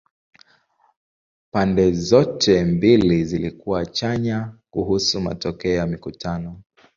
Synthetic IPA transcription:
pandɛzɔtʰɛmbilizilikuwat͡ʃaɲakuhusuma̰tɔkɛɔjamikutanɔ

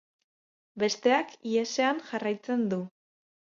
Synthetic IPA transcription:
be̞st̪e̞akiese̞anʝarajt͡se̞nd̪u

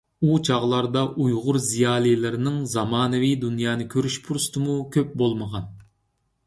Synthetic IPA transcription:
ut͡ʃʰɑʁlˠɑɾd̪ɑʔujʁʊɾzijɑːlˠijlɪɾɪnɪŋzɑmɑːnɨvijd̪unjɑːnɨkʲʰøɾyʃpʰuɾst̪ʰɨmukʲʰøp̚bolˠməʁɑn

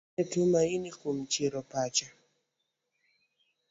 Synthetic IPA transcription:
ɛtumainikum̩t͡ʃiɾɔpat͡ʃa

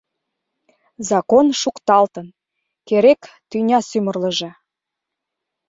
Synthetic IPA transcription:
zɑkonʃukt̪ɑlt̪ən | keɾek | t̪ynʲɑsymərlə̆ʒĕ

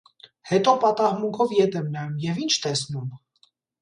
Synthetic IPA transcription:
hɛt̪ɔpɑt̪ɑhmuŋkʰɔvjɛt̪ɛmnɑjumjɛvint͡ʃʰt̪ɛsnum

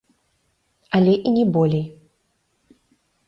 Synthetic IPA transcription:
alʲɛʔinʲɛbɔlʲej

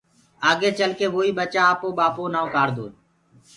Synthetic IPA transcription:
aːɡeːt͡ʃəlkeːʋoːiːɓət͡ʃaːaːpõːɓaːpõːnãːokaːɾd̪o̰ːn

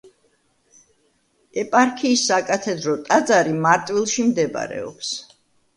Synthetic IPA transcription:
ɛpʼaɾkʰiːsːakʼat̪ʰɛd̪ɾɔt̪ʼad̪zaɾimaɾt̪ʼwilˠʃimd̪ɛba̰ɾɛ̰ɔ̰ps

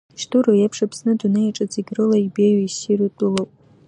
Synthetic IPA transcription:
ʃtʰuɾojapʰʂapʰsnɨdunejaʈ͡ʂʼad͡ziɡʲrɨlaibejɥaisiɾutʼulopʼ

